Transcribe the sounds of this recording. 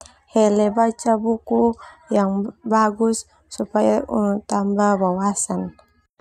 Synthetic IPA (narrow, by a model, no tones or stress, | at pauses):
hɛlɛbat͡ʃabukujaŋbaɡusː | upajaṵnut̪ambabawasan